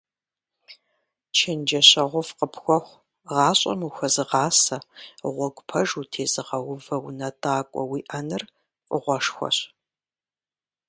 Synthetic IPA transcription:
t͡ʃʰend͡ʒɐɕɐʁʷʊfqəpʰxʷɔxʷ | ʁɑːɕʼɐ̰muxʷɐzɨʁɑːsɐʁʷɔɡʷʼpʰɐʒutʰeːzɨʁɐwʊvɐwnɐdaːkʷʼɔ̰wiːʔɐnɨr | qʷʼʊʁʷɔʂxʷɔ̰ɕ

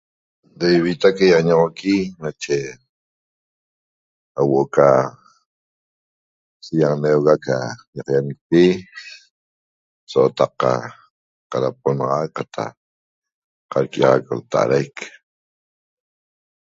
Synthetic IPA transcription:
d̪ejβit̪akajaaɲaʁokinat͡ʃe | awoʔoka | sijanewɣaka̰jaqjanik̚pi | soot̪aqːa̰ | qaɾap̚onɑʁɑk̚qat̪ʰa̰ | qaɾkiʁakolt̪aʔa̰ɾajk

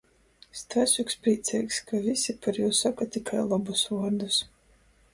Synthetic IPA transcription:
st̪vasʲukspɾiːt̪sʲɛːjkskavʲisʲipaɾjuːsːakatt̪ːikʰajlˠabusvuɔɾd̪us

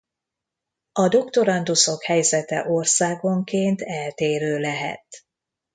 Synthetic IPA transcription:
ɒd̪o̞kt̪o̞ɾɒnd̪uso̞khɛjzɛt̪ɛ̰ʔorsaːɡo̞ŋkeːnt̪ɛlt̪eːɾøːlɛɦɛ̰t̪

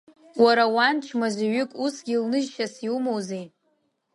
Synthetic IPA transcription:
waɾawant͡ʃʰmazaɥʏkʼusɡʲilnɨʒʃasiumowzej

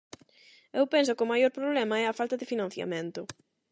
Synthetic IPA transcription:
ewpens̬ʊkʊmajoɾpɾoβlɛmɐɛɐfalt̪ɐðɪfinɐ̃n̟θja̰mẽnt̪ʊ

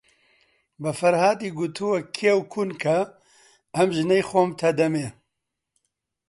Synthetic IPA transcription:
bɨfɐɾhaːd̪iːɡut̪ʰuwɐkʰiɛwkʰunkʰɐ | ɐmʒɨnɛjxoːmt̪ʰɐd̪ɐmeː

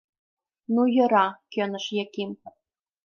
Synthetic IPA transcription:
nujɤ̆ɾɑkø̆nə̆ʃjĕkim

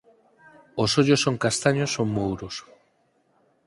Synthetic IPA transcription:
osoʎosːoŋkast̪aɲosːoŋmowɾos

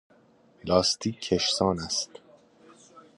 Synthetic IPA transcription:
lɒːst̪ʰiːkʰːeʃsɒːnæst̪

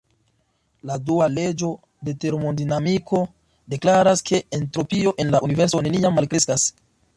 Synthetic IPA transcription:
laduale̞d͡ʒo̞ | de̞te̞ɾmodinamikʰo̞ | de̞klaɾaskʰe̞entɾo̞pio̞ʔe̞nlaʔunive̞ɾso̞ne̞niamːalkɾe̞skas

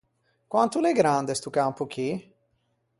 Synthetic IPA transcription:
kwant̪uleɡɾand̪est̪ukampuk̟i

